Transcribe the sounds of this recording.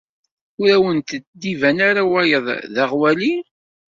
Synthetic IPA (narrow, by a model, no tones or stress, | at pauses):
ʊɾæwənt̪d̪ivænaɾawæjəðˤðaʁwæli